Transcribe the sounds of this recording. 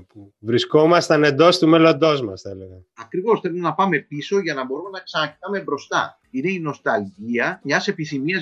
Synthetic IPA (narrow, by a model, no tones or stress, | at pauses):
pu | vɾisko̞mɐst̪ɐne̞nd̪o̞st̪ume̞lo̞nd̪o̞zmɐsθɐele̞ɣɐ | ɐkɾivo̞sθe̞lomenɐpɐme̞piso̞ʝɐnɐbo̞ɾume̞nɐksɐnɐcit̪ɐme̞bɾo̞st̪ɐ̰ | ine̞ino̞st̪ɐlʝiɐɲɐse̞piθimiɐ